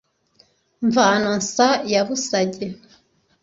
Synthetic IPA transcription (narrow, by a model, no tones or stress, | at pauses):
ɱvaːnansajaβusaɟe